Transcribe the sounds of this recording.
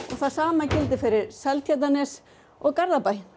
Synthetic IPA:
ɔɣθaðsaːmacɪlt̪ɪfɪɾɪɾsɛlt̪ʰjat̪anɛs | ɔɣkaɾðapajn

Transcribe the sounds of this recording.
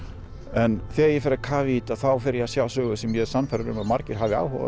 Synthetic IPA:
ɛnθɛːajɛfɪɾakʰaːvɪiːt̪aθawfɪɾjasjaːwsœːɣʏsɛmjɛðsanːfaɾaɾʏmamaɾcɪɾ̥ɦaːvɪa̰ːwhɔ̰va̰

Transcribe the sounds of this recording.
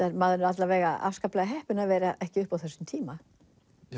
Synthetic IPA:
aɾmaːðʏnʏɾat̪lavɛːɣaa̰fskaplɛːɣaɦɛhpʏnavɛːɾaʔɛhcɪʏhpawθɛsːʏmt̪ʰiːma

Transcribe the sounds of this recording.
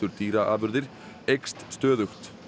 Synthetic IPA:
ʏɾ̥t̪ʰiːɾaʔaːbʏɾðɪɾ | ejkst̪st̪œːðʏxt̪

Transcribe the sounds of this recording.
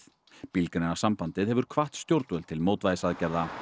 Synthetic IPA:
pilknɪnasampant̪ɪðhɛvʏɾ̥kʰvaht̪st̪jowɾt̪vœlt̪ʰɪlmowt̪vajðɪsaðcɛɾða

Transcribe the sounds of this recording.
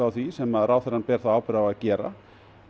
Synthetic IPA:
awθvisɛmaðraːwθɛɾanpɛːɾ̥θaaːwpɪɾavaðcɛːɾa̰

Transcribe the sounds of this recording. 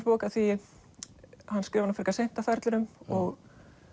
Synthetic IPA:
ɾpoːkaθvi | hanːskɾɪːvaɾnafɾkasejn̥t̪afɛɾt̪lʏɾʏmɔɣ

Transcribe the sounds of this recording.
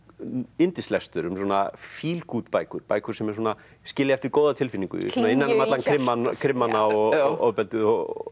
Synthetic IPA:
ɪnt̪ɪst̪ɛst̪ʏɾʏmsuɔːna̰fiːlkuːt̪paːjkʏɾ̥paːjkʏ̥sɛmɛɾ̥̬wɔːna | scɪːljaɛft̪ɪɾkoːwðat̪ʰɪlfiniŋkʏ̰ɾ̰sɔnaɪnːanamat̪lankʰɾɪmːankʰɾɪmːanːaɔo̰pɛlt̪ɪðɔ

